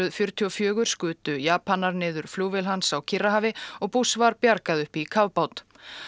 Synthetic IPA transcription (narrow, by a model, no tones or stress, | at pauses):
ʏðfjʏɾ̥t̪ʰiɔfjœːɣʏɾ̥skʏːt̪ʏjaːpanːaɾnɪːðʏɾ̥fluːvɪlɦansawcʰɪrːaɦaːvɪɔɣpusvaɾpjaɾkaðʏhpikʰavpawt̪